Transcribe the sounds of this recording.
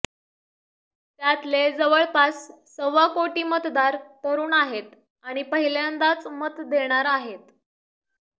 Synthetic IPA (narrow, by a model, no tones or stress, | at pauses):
t̪jat̪led͡zəʋəɭpasː | əʋakoʈiːmət̪d̪aɾt̪əɾuːɳaɦet̪ | aɽ̃ipəɦiljand̪at͡smət̪d̪eɽ̃aɾaɦet̪